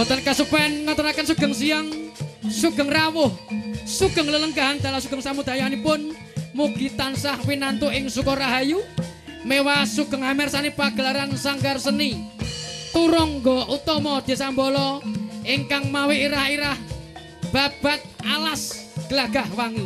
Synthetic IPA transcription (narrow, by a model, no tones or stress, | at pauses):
bɔt̪ənkasupɛnŋɔt̪əɾakənsuɡ̥əŋsiaŋsuɡ̥ə̤ŋrawʊhsuɡ̥ə̤ŋlələŋɡaɦand̪̥a̤lasuɡ̥əŋsamud̪̥ajanipʊn | muɡ̥i̤t̪ansahwinant̪uʔɪŋsukɔraɦaju | mewasuɡ̥əŋhamɛrsanipaɡ̥ə̤laɾansaŋɡarsəni | t̪uɾɔŋɡɔʔut̪ɔmɔd̪̥i̤sambɔlɔɪŋkaŋmaweʔiɾahiɾah | b̥a̤b̥a̤t̪̚alasɡ̥əlaɡ̥ahwaŋu